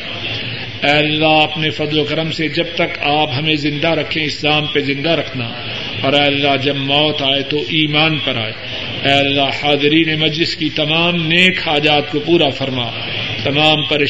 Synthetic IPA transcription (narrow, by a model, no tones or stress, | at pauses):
ɛːɐlːaɦɐpnefɐd̪lokɐɾəmsed͡ʒɐb̚t̪ɐkaːpɦɐmẽzɪ̃nd̪aɾɐkʰẽɪszaːmpezɪ̃nd̪aɾɐkʰnaː | ɔːɾɛːɐlːaɦd͡ʒɐbmɔːt̪aːet̪oʔiːmaːnpɐɾa̰ːeː | ɛːɐlːahaːd̪ɪɾiːnemɐd͡ʒlɪskit̪ɐmaːmneːkaːd͡ʒaːt̪̚kopuːɾafɐɾmaː | t̪ɐmaːmpɐɾeː